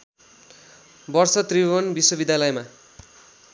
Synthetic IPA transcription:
bʌrsʌt̪riʌnbiswʌbid̪ʱjalʌjma

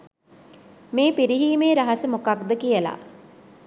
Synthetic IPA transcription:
meːpiɾiɦiːmeːɾaɦasəmokak̚d̪əkijəla̰

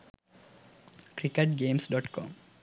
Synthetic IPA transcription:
kɾikeʈɡeːmsɖɔːʈkɔ̰ːm

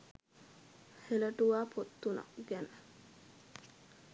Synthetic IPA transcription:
helɐʈuwaːpʰot̪ːuna̰ɡɛn

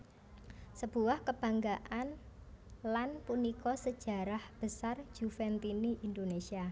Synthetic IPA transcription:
səb̥ṳwahkəb̥a̤ŋɡaʔan | lanpunikɔsəd̥ʒ̥a̤ɾahb̥əsar̥d͡ʒ̥ufɛnt̪iniʔind̪onesia

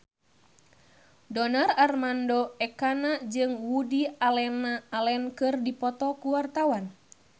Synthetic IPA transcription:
dɔnararmandɔɛkanad͡ʒɨŋwudialɛnaːlɛnkɨrdipɔt̪ɔkuwart̪awan

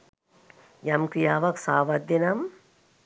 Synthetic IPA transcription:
jɐmkɾijaːʋɐksaːʋɐd̪ɐnɐm

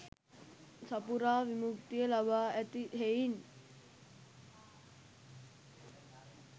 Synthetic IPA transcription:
sapuɾaːʋimuk̚t̪ijəlabaːæt̪iɦein

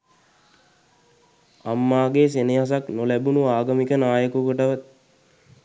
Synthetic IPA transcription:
amːaːɡeːseneɦas̬aknolæbunuaːɡəmikənaːjəkuɡoʈəʋət̪̚

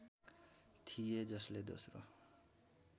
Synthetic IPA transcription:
t̪ʰijed͡ʒʌsled̪o̰sɾo̰

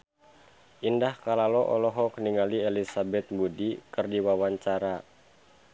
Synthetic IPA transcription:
ʔindahkalalɔʔɔ̰lɔɦɔkəniŋalielisabɛt̪̚budikərdiwawaɲt͡ʃaɾa

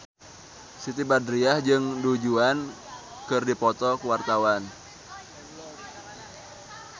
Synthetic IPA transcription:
sit̪ibadɾiahd͡ʒɨŋdud͡ʒuan | kɨrdipɔt̪ɔkuwart̪awan

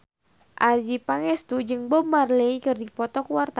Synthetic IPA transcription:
ʔad͡ʒipaŋɛst̪ud͡ʒɨŋbɔmarleikɨrdipɔt̪ɔkuart̪a

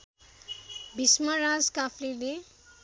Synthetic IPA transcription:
bʱismʌɾad͡zkapʰlile

